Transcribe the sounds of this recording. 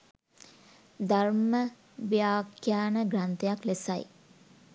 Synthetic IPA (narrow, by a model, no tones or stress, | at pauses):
d̪armə | ʋijaːkjaːnəɡrant̪ejaklesa̰j